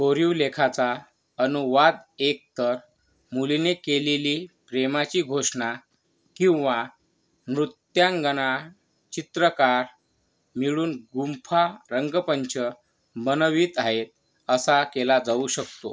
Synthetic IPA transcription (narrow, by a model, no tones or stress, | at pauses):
koɾiwlekʰat͡sa | ənuʋad̪ek̚t̪əɾ | mulinekeleliːpɾemat͡ɕiːɡʱoʂɳa | kĩw̃ʋa | mɾut̪jãŋɡəna | t͡ɕit̪ɾəkaɾ | miɭuːnɡumpʰaɾəŋɡəpəɲt͡ɕʰə | bənəʋiːt̪aɦet̪̚ | əsakelad͡zauɕək̚t̪o̰